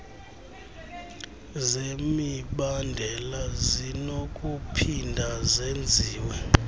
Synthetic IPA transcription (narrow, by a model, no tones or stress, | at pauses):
zemiɓandʱɛlazinok̬ʼupʰindʱazend͡zʱiːwɛ